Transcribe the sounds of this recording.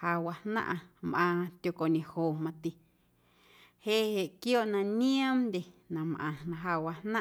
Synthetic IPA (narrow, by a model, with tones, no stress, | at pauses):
ha˧wa˧hnã̰˦ʔã˧mʔãː˧t̪ʲjo˧˨ko˨ɲẽ˨hoː˨mã˧t̪i˨ | heː˦he˨ʔkjoː˦ʔnã˧nĩ˦ã˦mnd̪ʲe˨nã˨mʔã̰˨nã˧ɦa˧wa˧nã˦